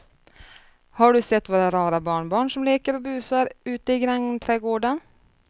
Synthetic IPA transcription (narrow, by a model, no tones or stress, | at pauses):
haɖɵsɛt̪ːvoːɾaɾɑːɾabɑːɳbɑːɳʂɔmleːkəɾɔbʉ̟ːsaɾʉ̟ːt̪əɪɡɾɛŋːt̪ʰɾɛːɡoːɖən